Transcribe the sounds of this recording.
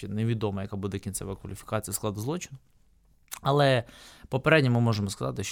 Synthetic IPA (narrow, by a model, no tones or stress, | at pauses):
ɛneʋʲid̪ɔmɐjɐkabud̪ɛkʲint̪sɛ̰ʋɐɐkʋɐlʲifʲi̥kɑt͡sʲijɐsklˠɑd̪ʊzlˠɔt͡ʃɪnʊ | ɐlˠɛpɔpeɾɛdʲnʲimɪmɔʒemɔskɐzɑ̰t̪ɪʃ